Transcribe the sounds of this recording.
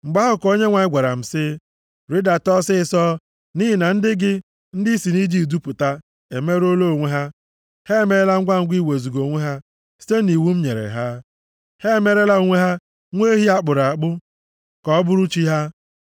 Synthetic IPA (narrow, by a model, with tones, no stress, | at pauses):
ŋ͡m̩˨ɡ͡ba˦ɦʊ˦ko˦ɲe˦ŋʷa˨ɪ˦ɡʷa˨ɾa̰˨m̩˨sɪ˦ | ɾi˦da˨tɔ˦sɪ˦sɔ˦ | ni˦ɦɪ˦˨na˨n̩˦dɪ˦ɡɪ˦ | n̩˦dɪ˦i˦si˨ni˦d͡ʒi˦˨du˦pʊ˨ta˦ | e˨me˦ɾo˦lo˦˨ŋʷe˦ɦa˦ | he˦˨me˨ɾe˦la˦ŋ̩˦ɡʷa˦ŋ̩˦ɡʷi˦˨we˨zu˨ɡo˨ŋʷe˦ɦa˦ | si̥˦te˦ni˨wu˦m̩˦ɲe˨ɾḛ˨ɦa˦ | he˦˨me˦ɾe˦la˦o˨ŋʷe˦ɦa˦ | ŋʷe˦ɦi˦a˦k͡pʊ˨ɾa˨k͡pʊ˦ | kɔ˦bʊ˦ɾu˦t͡ʃi˦ɦa˦